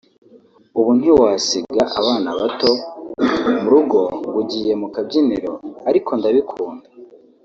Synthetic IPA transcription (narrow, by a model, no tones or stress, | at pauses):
uβun̥hiwaːsiɡaʔaβaːnaβato̞ | muɾuɡo̞ɡuɟiːje̞mukabɟiniɾo̞̰aɾikʰo̞ndaβikʰuːnda